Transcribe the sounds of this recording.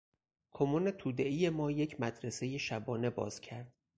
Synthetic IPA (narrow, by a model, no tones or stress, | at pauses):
kʰomune̞t̪ʰuːd̪eʔijemɒːje̞cʰmæd̪ɾese̞jeʃæbɒːne̞bɒ̰ːz̥cʰæɾd̪̥̚